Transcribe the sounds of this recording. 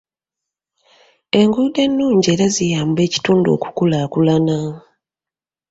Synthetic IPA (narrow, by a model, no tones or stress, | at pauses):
e̞ŋɡude̞nːuːɲɟe̞ːɾazijaːmbe̞ːci̥tuːndo̰ːku̥kulakulana